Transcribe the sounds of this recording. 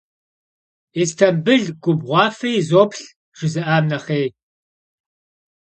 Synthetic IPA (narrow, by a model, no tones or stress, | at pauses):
estʰɐmbɨɮɡʷʊbʁʷɑːfejzoːpʰɬ | ʒ̥ɪzɨʔaːmnɐχeːj